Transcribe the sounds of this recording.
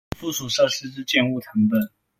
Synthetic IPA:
fu˥˩su˨˩ʂə˥˧ʂɻ̩˥˧ʈ͡ʂɻ̩˥˧t͡ɕjɛ˥˧nu˥˩ʈ͡ʂʰɤ˧˥ŋpə˨˩n

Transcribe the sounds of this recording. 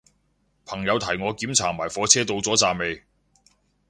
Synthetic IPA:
pʰɐ˨˩ŋjɐ˨˧wt̪ʰɐ˨˩jŋɔː˨˧kiː˨˥mt͡sʰaː˨˩maː˨˩jfɔː˨˧t͡sʰɛː˥t̪o˧wt͡sɔː˨˥t͡saː˨me˨˧j

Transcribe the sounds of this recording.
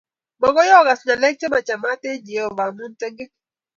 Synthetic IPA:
mɔ˨ɡɔ˦jɔ˦˨ɡa˨sɲa˨lɛ˦k̚t͡ʃe˦ma˨t͡ʃa˨ma˦te˦d͡ʒe˨ɔ˨va˨ŋmu˦ntɛ˦ŋɡe˦

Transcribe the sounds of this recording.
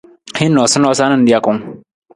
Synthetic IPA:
hi˦nːɔ˨sɪ˦nɔ˦sa˦nɨ̃˦n˦di˦ja˦kʊ˦ŋ

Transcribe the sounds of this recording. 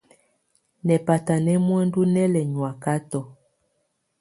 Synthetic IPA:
nɛ˨pa˨ta˨nɛ˦mwɛ˦ndu˦nɛ˦lɛ˨ɲwa˨ka˦tɔ˨

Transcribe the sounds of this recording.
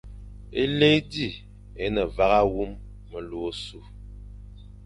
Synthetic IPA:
e˦le˦jdi˦˨ | e˨˦nə˨va˨ɣa˦wu˦mː | ə˨lo˨˦su˦˨

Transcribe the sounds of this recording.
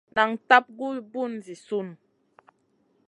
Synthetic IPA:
na˨ŋta˦p̚ɡu˦bu˦˨n˨zi˨su˦˨n

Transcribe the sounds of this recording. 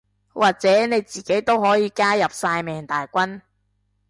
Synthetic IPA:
wʔaː˨k̚t͡sɛː˨˥ne˨˧jt͡siː˨ke˨˥jt̪o˥wɦɔː˨˥jiː˨˧kaː˥jɐ˨p̚saː˧jmɛː˨˩ŋt̪aː˨jkʷɐ˥n

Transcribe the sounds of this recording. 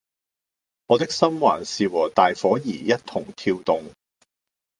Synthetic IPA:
ŋɔː˨˧t̪ɪ˥k̚sɐ˥mwa̰ː˨˩nsiː˨wɔː˨˩t̪aː˨jfɔː˨˥jiː˨˩jɐ˥t̚t̪ʰʊ˨˩ŋt̪ʰiː˧wt̪ʊ˨ŋ

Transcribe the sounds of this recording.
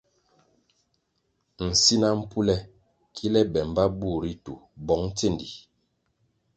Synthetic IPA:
n̩˨si˦na˦m̩˦pu˦lɛ˦ | kʰi˦lɛ˦bɛ˨m˨ba˦bu˦˨ɾi˦tṵ˨bɔ˨˦ŋ˦te˦˨ndḭ˨

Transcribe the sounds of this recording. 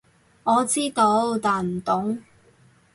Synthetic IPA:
ŋɔː˨˧t͡siː˥t̪o˧wt̪aː˨˩nm̩˨˩t̪ʊ˨˥ŋ

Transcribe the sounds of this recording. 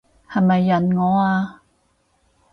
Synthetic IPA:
hɐ˨˩jmɐ˨jːɐ˨˩nŋɔː˨˥aː˧

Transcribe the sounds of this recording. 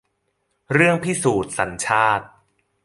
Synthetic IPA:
ɾɯ˥˩əŋpʰi˦˥suː˨˩t̪̚sa˩˦nt͡ɕʰaː˥˩t̪̚

